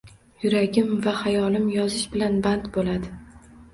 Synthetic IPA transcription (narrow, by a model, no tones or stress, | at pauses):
jʊɾaɡʲɪmvahajɒlɪmjɒzɪʃbɪlanbant̪bolad̪ɪ